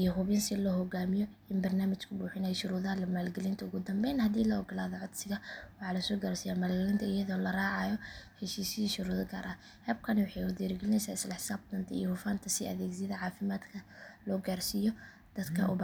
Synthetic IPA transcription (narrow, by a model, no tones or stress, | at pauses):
ʔijɔɦʊβɪnsɪlɔhɔɡaːmɪjɔ | ɪnbɐrnaːmɪt͡ʃkʰʊbuːħɪnɛjʃʊɾuːðaːlɐmaːlɡɛlɪnt̪ʰɐʊɣʊd̪ɐmbɛjnhɐd̪iːlɐɔɡɔlaːðɔʕɔd̪sɪɣɐwɑħɑːlɐsɔːɡaːrsɪjaːmaːlɡɛlɪnt̪ʰɐɪjɐðɔːlɐraːʕɑːjɔhɛʃiːsɪiʃʊɾuːðɐɡaːɾʔaː | hɛːb̚kʰɐnɛwʊħɑjwʊd̪ɛːɾɡɛlɪnɛjsaːɪslɐħɪ̥saːb̚d̪ɐnt̪ʰɐḭjɔhʊfaːnt̪ʰɐsɪɐ̰ðɛːɡsɪðɐʕɑːfɪmaːd̪kʰɐlɔːɡaːrsɪjɔ | d̪̥ɐd̪kʰɐ̰ʔʊb